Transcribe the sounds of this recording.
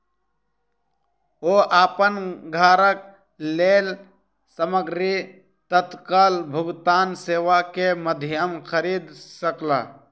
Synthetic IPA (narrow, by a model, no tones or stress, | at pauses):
oːʔaːpənɡʱaːɾək̚ | leːl | səməɡɾi | t̪ət̪kaːlbʱəɡt̪aːnseːʋakeməd̪ʱɪjəmkʰəɾiːd̪səkla̰ː